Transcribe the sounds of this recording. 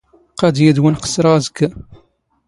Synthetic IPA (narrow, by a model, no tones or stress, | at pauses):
qɑd̪jæd̪wænqə̥sɾɑzəɡ